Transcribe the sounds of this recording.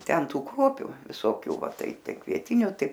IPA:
ˈtʲɛn ˈtuː ˈkruɔpʲʊ ʋʲɪsoːˈkʲuː ˈʋɐ ˈtɐɪ ˈtɐɪ kʋʲiɛˈtʲɪnʲʊ ˈtɐɪ

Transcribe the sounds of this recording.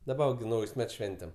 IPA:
dɐˈbɐ ʋɐ ɡʲɪ ˈnɐʊjsʲ ˈmʲɛts ˈʃʲʋʲɛnʲtʲɛm

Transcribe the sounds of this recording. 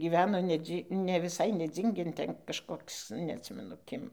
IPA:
ɡʲiːˈʋʲæːnoː nʲɛˈd͡zʲiː nʲɛ ʋʲɪˈsɐɪ nʲɛˈd͡zʲiːŋʲɡʲeːn ˈtʲɛn kɐʃˈkoːks nʲɛɐtʲˈsʲɪmʲɛnʊ ˈkʲɪm

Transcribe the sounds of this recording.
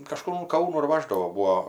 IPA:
kɐˈʃkʊr ʊn ˈkɐʊnuː ɪr ˈʋɑːʒdɐʋoː ˈbuːoː

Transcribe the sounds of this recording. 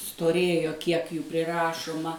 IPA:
stoːˈrʲeːjoː ˈkʲiɛk ˈjuː pʲrʲɪˈrɑːʃʊmɐ

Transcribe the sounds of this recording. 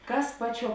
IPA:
ˈkɐs ˈpɑːˌt͡ʃʲuɔ

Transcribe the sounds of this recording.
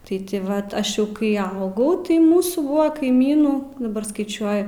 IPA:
tɐɪ tʲɪ ˈʋɐt ˈɐʃ jɛʊ kɐɪ ˈɐʊɡɐʊ tɐɪ ˈmuːsuː ˈbuɔ kɐɪˈmʲiːnuː dɐˈbɐr skɐɪˈt͡ʃʲuɔjʊ

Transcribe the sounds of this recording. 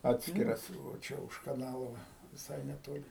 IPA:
ˈɑːtʲsʲkʲɪrɐs ʋɐ ˈt͡ʃʲɛ ʊʃ kɐˈnɑːlˠoː ˈʋɐ ʋʲɪˈsɐɪ nʲɛˈtoːlʲɪ

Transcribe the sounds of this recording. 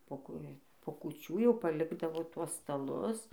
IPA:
poː ˈkuː poː kʊˈt͡ʃʲuː jɛʊ pɐˈlʲɪɡdɐʋoː ˈtuɔs stɐˈlˠʊs

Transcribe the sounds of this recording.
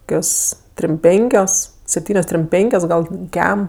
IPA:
ˈkʲoːs tʲrʲɪm ˈpʲɛŋʲkʲoːs sʲɛpʲˈtʲiːnʲoːs tʲrʲɪm ˈpʲɛŋʲkʲoːs ˈɡɐlʲ ˈkʲɛm

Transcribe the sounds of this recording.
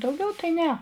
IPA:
dɐʊˈɡʲɛʊ tɐɪ ˈnʲɛ

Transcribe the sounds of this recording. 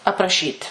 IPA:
ɐprɐˈʃʲiːtʲ

